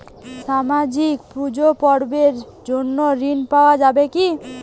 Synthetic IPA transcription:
ʃamad͡ʑikpɾud͡ʑopɔɾbeɾ | d͡ʑonːoɾinpaoad͡ʑabeki

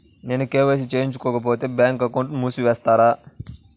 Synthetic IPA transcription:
ne̞ːnukeːʋeːs̬it͡ʃeːiɲt͡ʃukɔːkɐp̬o̞ːt̪e̞ːbjaːŋkɐkːoɳʈmuːsuʋɛːst̪aːɾaː

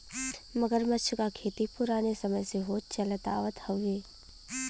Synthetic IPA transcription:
məɡəɾmət͡ʃʰkakʰeːt̪ipʊɾaːnesəməjseɦoːt͡ʃɐlət̪a̰ːʋət̪hɐʋːeː

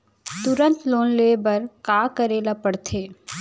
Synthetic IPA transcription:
t̪ʊɾə̃nt̪loːnleːbɐɾkaːkəɾeːlapəɽt̪ʰeː

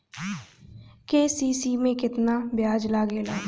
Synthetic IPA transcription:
keːsiːsiːmẽːkɪt̪naːbɪjaːd͡ʒlaːɡeːlaː

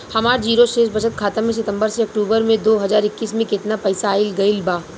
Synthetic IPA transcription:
hɐmaːɾd͡ʒiːɾoʃeːʃbɐʃət̪̚kʰaːt̪əmːẽs̬ɪt̪ə̃mbəɾseɐk̚ʈuːbəɾmẽd̪oːɦɐzaːɾɪkːiːsmẽkɪt̪napɛːsaːɪlɡɐɪlbaː

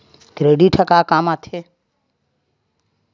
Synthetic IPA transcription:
ɡɾeːɖiːʈʰəkaːkaːmat̪ʰeː

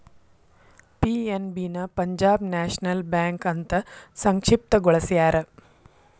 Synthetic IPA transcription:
pienbiːnɐpɐɲd͡ʑaːbnæːɕnɐlbæŋkɐnt̪ɐsɐŋkʂip̚t̪əɡoɭɐsjaːɾɐ

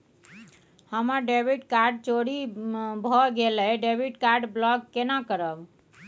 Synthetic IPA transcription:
həməɾɖebʱiʈkaɾɖ̚t͡ʃoɽibʱɔɡelɛɖebʱiʈkaɾɖblɔɡkːenakəɾəb

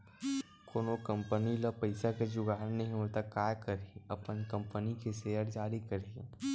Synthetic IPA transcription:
koːnokɐ̃mpəniləpɐɪsaked͡ʒʊɡaːɾnɐɦĩɦot̪akaːjkɐɾiiɐpənkɐ̃mpənikeseːjəɾd͡ʒaːɾikɐɾ

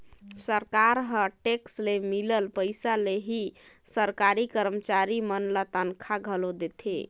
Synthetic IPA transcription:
səɾkaɾɦəʈekslemiləlpəɪsaleɦisəɾkaɾikəɾmət͡ʃaɾimənlət̪ənkʰaɡʱəlod̪et̪ʰḛ

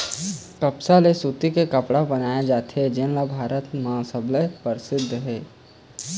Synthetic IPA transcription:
kəpsalesut̪ikekəpɽabənaːjad͡ʒaːt̪ɦɛd͡ʒẽnlabʱaːɾət̪mɐɦãsəbləpəɾɪsɪd̪ʱːɦɛː

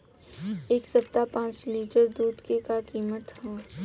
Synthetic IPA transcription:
eːksɐp̚t̪apãːt͡ʃliːʈəɾd̪uːd̪kekakiːmət̪hɛ̃ː

